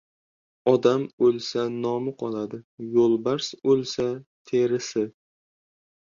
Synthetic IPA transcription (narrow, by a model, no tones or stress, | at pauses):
ɒd̪amɵlˠsanɒmɪqʰɒlˠad̪ɪjolˠbaɾsɵlˠsat̪ʰe̞ɾɪsɪ